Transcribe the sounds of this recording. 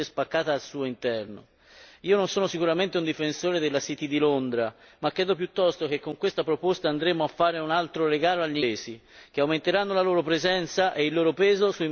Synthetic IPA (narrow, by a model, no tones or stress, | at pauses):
espakːaːt̪aːlsuːoint̪ɛrno̰ | iːononsoːnosikuɾament̪eund̪ifensoːɾed̪elːasit̪id̪ilond̪ɾamakːɾɛːd̪op̬jut̪ːɔst̪ok̟ekːoŋkwest̪apɾopost̪aːnd̪ɾeːmoafːaːɾeunalt̪ɾoɾeɡaːloaʎːieːzi | k̟eawment̪eɾanːolaloːɾopɾezɛnt̪saʔeilːoːɾopɛːzosu